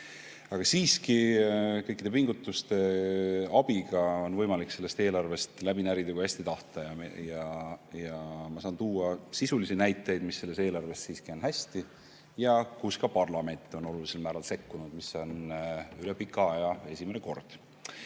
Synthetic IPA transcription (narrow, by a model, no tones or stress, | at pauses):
ɑɡ̥ɑsiːskikɤjkːˑid̥̪e̞piŋɡ̥ut̪ːˑust̪e̞ɑb̥iɡ̥ɑo̞nvɤjmɑlikse̞lːe̞st̪e̞ːlɑrve̞st̪læb̥inæɾid̪eɡuhæsʲt̪it̪ɑht̪ɑjɑjɑjɑmɑsɑːnt̪uːɑsisulisinæjt̪ːˑe̞jd̪̥misːe̞lːeseːlɑrve̞ssiːskio̞nɦæsʲt̪i | jɑkuskɑpɑrlɑme̞nt̪ːˑo̞no̞lulise̞lmæːɾɑlse̞kːunud̪̥miso̞nyle̞pikːˑɑɑjɑe̞sʲimene̞ko̞rd̪̥